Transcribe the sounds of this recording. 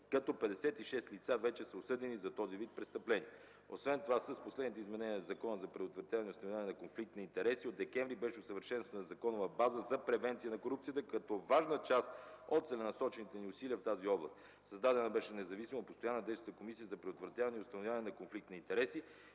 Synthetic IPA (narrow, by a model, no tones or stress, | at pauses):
kɐt̪ɔpɛd̪ɛsɛt̪iʃɛst̪lit̪savɛt͡ʃɛsəosɤd̪ɛnizɐt̪ɔzivit̪̚pɾɛst̪əplɛni | osvɛnt̪ovasəsposlɛd̪nit̪əizmɛnɛniəzɐkɔnəzɐpɾɛd̪ot̪vɾɐt̪javɐnɛiʊst̪novʲaɐnɛnɐkonflik̚t̪nɐint̪ɛɾɛsiod̪ɛkɛɱvɾibɛʃɛosəvəɾʃɛnst̪vɐnəzɐkɔnʊvɐbazəzɐpɾɛvɛnt̪sijənɐkoɾup̚t̪sijət̪əkɐt̪ɔvaʒnət͡ʃast̪ot̪t̪sɛlɛnɐsɔt͡ʃɛnit̪ɛniʊsiliəft̪aziɔblˠəst̪ | sɐzd̪ad̪ɛnəbɛʃɛnɛzɐvisiməot̪post̪ojanːəd̪ɛjst̪t̪əkomisijəzɐpɾɛd̪ot̪vɾɐt̪javɐnɛiʊst̪ɐnovʲjavɐnɛnɐkonflik̚t̪nɐint̪ɛɾɛsi